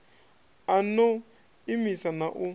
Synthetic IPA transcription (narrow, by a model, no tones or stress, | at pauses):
anɔ | imisanaʔu